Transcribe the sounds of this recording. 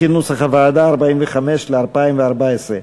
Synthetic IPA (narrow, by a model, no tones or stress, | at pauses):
inusaχavaːd̪aːʁbaimveχameʃleaʁpaimveaʁbaesʁe